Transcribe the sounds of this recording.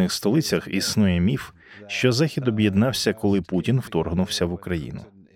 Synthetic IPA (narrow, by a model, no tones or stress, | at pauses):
ɪxst̪ɔlˠɪt͡sʲɐxisnujɛmʲif | ʃt͡ʃɔzaxʲid̪ɔbjed̪nɑwsʲɐkɔlˠɪputʲinwt̪ɔrɦnʊwsʲɐʋʊkɾɐjḭnʊ̰